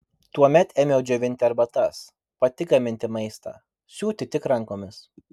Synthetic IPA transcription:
t̪uɔmʲɛt̪ɛːmʲjɛʊd͡ʒʲɛʋʲɪnʲt̪ʲɪɐɾbɐt̪ɐs | pɐt̪ʲɪɡɐmʲɪnʲt̪ʲɪmɐɪst̪ɑ̰ː | sʲuːt̪ʲɪt̪ʲɪkɾɐŋkoːmʲɪs

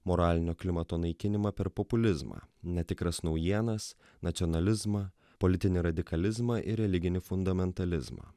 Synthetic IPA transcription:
moɾɑːlʲɪnʲoːklʲɪmɐt̪oːnɐɪkʲɪnʲɪmɑpʲɛɾpɔpʊlʲɪzmɑ̰ːnʲɛt̪ʲɪkɾɐsnɒʊjiɛnɐs | nɐt̪sʲɔnɐlʲɪzmɐ | polʲɪt̪ʲɪnʲɪɾɐd̪ʲɪkɐlʲɪzmɐʔɪɾʲɛlʲɪɡʲɪnʲɪfʊnd̪ɐmʲɛnt̪ɐlʲɪzmɐ̰ː

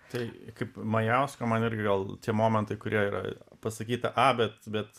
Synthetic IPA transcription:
t̪ɐɪkɐɪpmɐjɛʊskomɐnɪɾʲɡʲɪɡɐlˠt̪ʲiɛmoːmʲɛnt̪ɐɪkʊɾʲiɛiːɾʔɐ̰pɐsɐkʲiːt̪ɐʔɑbʲɛt̪bʲɛt̪

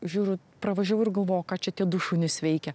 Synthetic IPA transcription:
ʒʲuːɾʲʊ | pɾɐʋɐʒʲɛʊɪɾɡɐlˠʋoːjʊkɑːt͡ʃʲɛt̪ʲiɛd̪uʃuːnʲɪsʋʲɛɪkʲɛ

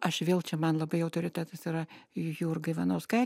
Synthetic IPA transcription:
ɐʃʋʲeːlˠt͡ʃʲɛmɐnlˠɐbɐɪɐʊt̪oɾʲɪt̪ʲæːt̪ɐsɪɾɐjuːrɡɐɪʋʲɐnoːskɐɪ

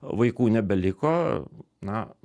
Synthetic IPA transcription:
ʋɐɪkuːnʲɛbʲɛlʲɪkoː | nɐ

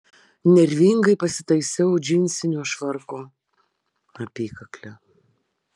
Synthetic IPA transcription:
nʲɛɾʲʋʲiŋɡɐɪpɐsʲɪt̪ɐɪsʲɛʊd͡ʒʲɪnʲsʲɪnʲuːʃʋɐɾkoː | ɐpʲiːkɐklʲɛ

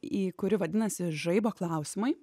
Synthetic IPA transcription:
iːkʊɾʲɪʋɐd̪ʲɪnɐsʲɪʒɐɪboːklˠɑˑʊsʲɪmɐɪ

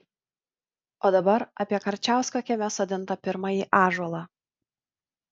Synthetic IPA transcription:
oːd̪ɐbɐɾɐ̰pʲiɛkɐɾʲt͡ʃʲæˑʊsʲkɐkʲɛmʲɛsoːd̪ʲɪnˑt̪ɐpʲɪɾmɑjiʔɑːʒɔlˠɑ

